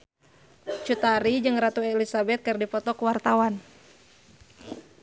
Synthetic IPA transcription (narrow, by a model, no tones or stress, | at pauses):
t͡ʃut̪aɾid͡ʒɨŋɾat̪uɛɛlisabɛt̪̚kɨrdipɔt̪ɔkuwart̪awan